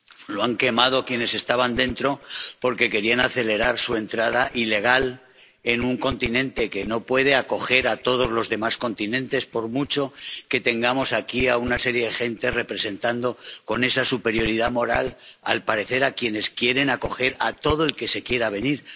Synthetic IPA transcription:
lo̞aŋke̞mað̞o̞kje̞ne̞se̞st̪aβand̪e̞nt̪ɾo̞po̞ɾke̞ke̞ɾianaθe̞le̞ɾaɾsue̞nt̪ɾað̞aʔile̞ɣ̞al | e̞nuŋko̞nt̪inẽ̞nt̪e̞ke̞no̞pwe̞ð̞e̞ako̞xe̞ɾat̪o̞ð̞o̞zlo̞zðe̞masko̞nt̪inẽ̞nt̪e̞spo̞ɾmut͡ʃoke̞t̪e̞ŋɡamo̞sakiaunase̞ɾje̞ðe̞xe̞nt̪e̞re̞pɾe̞se̞nt̪and̪o̞ko̞ne̞sasupe̞ɾjo̞ɾiðamo̞ɾala̰lpaɾe̞θe̞ɾakje̞ne̞skje̞ɾe̞nako̞xe̞ɾa̰t̪o̞ðoe̞lke̞se̞kje̞ɾaβ̞e̞niɾ

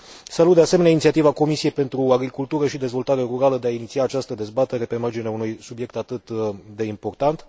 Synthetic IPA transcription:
salut̪d̪ease̞meneaint̪siat̪ivako̞misie̞jpe̞nt̪ɾuaɡɾikult̪uɾəʃid̪e̞zvo̞lt̪aɾe̞ɾuɾaləd̪eainit̪siaːt͡ʃast̪əd̪e̞zbat̪e̞ɾe̞pe̞mard͡ʒineaunujsubje̞k̚t̪at̪ɨt̪d̪e̞impo̞rt̪ant̪

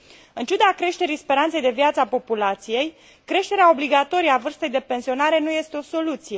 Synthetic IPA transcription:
ɨnt͡ʃud̪akɾe̞ʃt̪e̞ɾispe̞ɾant̪se̞jd̪e̞viat̪səapo̞pulat̪sije̞j | kɾe̞ʃt̪e̞ɾeao̞bliɡat̪o̞ɾijavɨrst̪əjd̪e̞pe̞nsio̞naɾe̞nuje̞st̪eo̞so̞lut̪sije̞

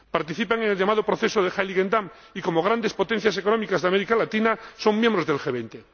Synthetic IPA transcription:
paɾt̪iθipaŋenelʎamað̞opɾoθesoðexajliɣend̪am | iko̞moɣ̞ɾand̪e̞spo̞t̪en̟θjasekonomikazðeameɾikalat̪inaso̞ŋmːjẽmbɾo̞zðelxeβent̪e

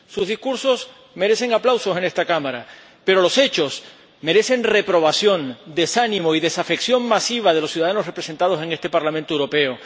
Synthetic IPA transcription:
suzðiskuɾso̞s | me̞ɾe̞se̞ŋaplawso̞se̞ne̞st̪akamaɾa | pe̞ɾo̞lo̞se̞t͡ʃo̞s | me̞ɾe̞se̞nre̞pɾo̞βasjo̞nd̪e̞sanĩmoiðe̞safe̞ksjo̞ŋmasiβ̞að̞e̞losjuðaðano̞sre̞pɾese̞nt̪að̞o̞se̞ŋe̞st̪e̞paɾlamẽnt̪oewɾo̞pe̞o

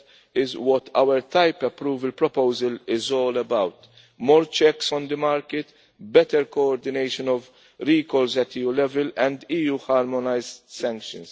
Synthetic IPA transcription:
ɪzwɔt̪ʰɐ̰wəɾt̪ɐjpɛpɾuːvəlpɾɔpowzəlɪzɔːlɛbɐwt̪ | mɔːɾt͡ʃɛksɔ̃nd̪əmaːɾkɪt̪ | bɛt̪ɛɾkɔɔɾd̪ɪnejʃɔnɔv | ɾiːkɔlzɛt̪ijuːlɛvɛlɛ̃nd̪iːjuːhaːɾmɔnɐjzsɛ̃ŋkʃə̰̃ns

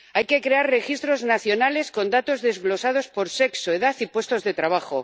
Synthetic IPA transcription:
ajke̞kɾe̞arre̞xist̪ɾo̞znaθjo̞nale̞sko̞nd̪at̪ozðe̞zɣlo̞sað̞o̞spo̞ɾse̞ksoeðaθipwe̞st̪o̞zðe̞t̪ɾaβaxo

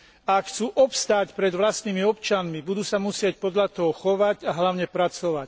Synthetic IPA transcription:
aakxt͡suːʔɔpst̪aːcpɾɛd̪ʋlast̪niːmiɔpt͡ʃanmibud̪uːsamusɪɛc̚pɔd̪ʎat̪ɔɦɔxɔʋaɟaɦlaʊɲɛpɾat͡sɔʋac

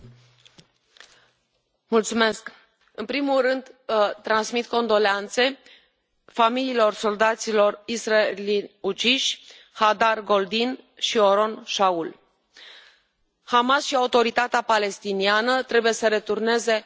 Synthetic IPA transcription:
mult̪sume̞sk | ɨnpɾimulrɨnd̪t̪ːɾansmit̪ko̞nd̪o̞leant̪se̞ | familiːlo̞rso̞ld̪at̪silo̞risraelinʲut͡ʃiʃʲ | had̪arɡo̞ld̪inʃio̞ɾo̞nʃaul | hamasʃiaut̪o̞ɾit̪at̪eapale̞st̪inianət̪ɾe̞buje̞səɾe̞t̪urne̞ze̞

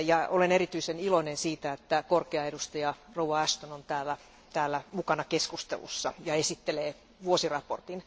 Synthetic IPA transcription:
jɑoleneɾit̪yisenilonensiːt̪æet̪ːækorkeɑedust̪ɑjɑrouwɑæʃt̪onont̪æːlːæ | t̪æːlːæmukɑnɑkeskust̪ḛlṵsːɑjɑesit̪ːeleː | ʋuosirɑport̪in

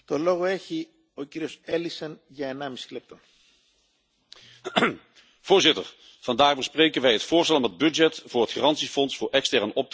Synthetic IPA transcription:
t̪o̞lo̞ɣoeçi | ociɾio̞selisɐnʝɐenɐmisi̥lep̚t̪o | v̥ʊːɹzɪtəɹ | v̥ɑndaːɣbəsprejkənʋɛjɦətfʊːɹstɛlɔmɦəd̚byd͡ʒɛtvʊːɹɦətxirɑntsifɔnsfʊːɹɛkstɛrnɔp̚t

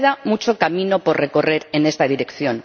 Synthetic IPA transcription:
ðamut͡ʃo̞kamino̞po̞rre̞ko̞re̞ɾe̞ne̞st̪aðiɾe̞kθjo̞n

